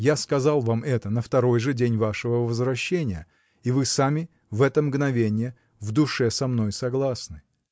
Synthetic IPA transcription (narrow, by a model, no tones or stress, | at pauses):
jaskɐzalˠvamɛt̪ənəft̪ɐɾo̞jʐɨdʲenʲvaʂɨvəvəzvɾɐɕːenʲɪjə | ivɨsamʲɪ | vɛt̪əmɡnɐvʲenʲɪjə | vd̪ʊʂɛsɐmn̪o̞jsɐɡlˠasnɨ